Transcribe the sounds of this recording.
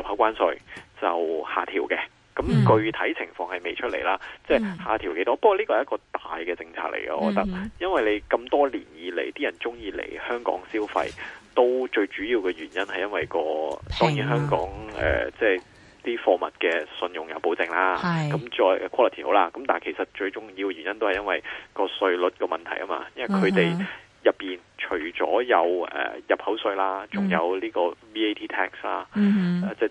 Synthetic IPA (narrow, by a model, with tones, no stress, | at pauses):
jɐ˨p̚ha˨˥wkʷaː˥nsɵ˧ɥt͡sɐ̰˨whaː˨˩t̪ʰiː˨˩wkɛ˧ | kɐ˨˥mkɵ˧ɥt̪ʰɐ˨˥jt͡sʰɪ˨˩ŋfɔː˧ŋhɐ˨˩jme˨jt͡ʃʰɵ˥t̚lḛ˨˩jlaː˥t͡sɛː˥˩haː˨˩t̪ʰi˨˩wke˨˦˥jt̪ɔː˥pk̚wɔ˨˧liː˥kɔː˧hjɐ˥kɔː˧t̪aː˨jkɛː˧t͡sɪ˧ŋt͡sʰa̰ː˧k̚lḛ˨˩jkɐ̰˧ʔɔ̰ː˧kɔ˧˥t̪ɐ˥k̚jɐ˥nwɐ˨˩jle˨˧jkɐ˧mt̪ɔː˥liː˨˩njiː˨˧lḛ˨˩jt̪iː˥jɐ˨˩nt͡sʊ˥ŋjiː˨˧lḛ˨˩jhœː˥ŋkɔ̰ː˨˥ŋsiː˥wfɐ̰˧jt̪o˥wt͡ʃɵ˧ɥt͡ʃyː˨˥jiː˧wkɛː˧ɥyː˨˩njɐ˥nhɐ˨jɐ˥nwɐ˨jkɔː˧t̪ɔː˥ŋjiː˨˥nɦœː˥ŋkɔ̰ː˨˥ŋɛ̰ː˨˩t͡sɛː˥˩ | t̪iː˥fɔː˧mɐ˨t̚kɛː˧sɵ˧njʊ˨˩ŋjɐ˨˧wpo˨˧wt͡sɪ˧ŋlaː˥kɐ˨˧˦mt͡ʃɔː˧jkʰɔː˥lɐ˨˩t̪ʰi˨ho̰˨˧˥wlaː˧˥kɐ˨˥mt̪aː˨nkʰe˨˩jsɐ˨t̚t͡ʃɵ˧ɥt͡ʃʊ˨ŋjiː˧wkɛ˧y˨˩njɐ˥nt̪whɐ˨jɐ˥nwɐ˨jkɔː˧sɵ˧ɥlɵ˨˥t̚kɔː˧mɐ˨nt̪ʰɐ˨˩jkːɐ˥ma̰ː˧jɐ˥nwɐ˨jkʰɵ˨˧t̪e˨j | jɐ˨˩pːiː˨˩nt͡ʃʰɵ˨˩ɥt͡sɔː˨˥jɐ˨˧wɛ̰ː˨˩jɐ˨˩p̚hɐ˨˥wsɵ˧ɥlaː˥t͡sʊ˨ŋjɐ˨˧wliː˥kɔː˧wiː˥e˥jt̪ʰiː˥t̪ʰɛː˥kslaː˥˧t͡sɛː˥˩